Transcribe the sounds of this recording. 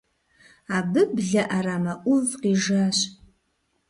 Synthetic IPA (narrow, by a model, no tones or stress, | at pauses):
aːbɨbɮɐʔɐɾaːmɐʔʷʊvqiːʒaɕ